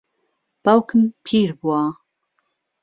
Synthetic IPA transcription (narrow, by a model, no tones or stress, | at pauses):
b̥awkʰɨmpʰiːɾbua